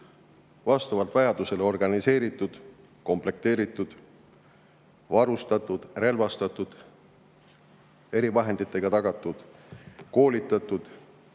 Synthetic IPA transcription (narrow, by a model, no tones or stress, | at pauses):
vɑst̪ɑvɑlt̪vɑjɑd̪̥use̞leo̞rɡ̥ɑnise̞ːɾit̪ːˑud̪̥ | ko̞mple̞k̚t̪e̞ːɾit̪ːˑud̪̥ | vɑɾust̪ɑt̪ːˑud̪̥re̞lvɑst̪ɑt̪ːˑud̪̥ | e̞ɾivɑɦe̞nd̪̥it̪ːˑe̞ɡ̥ɑt̪ɑɡ̥ɑt̪ːˑud̪̥ko̞ːlit̪ːˑɑt̪ːˑud̪̥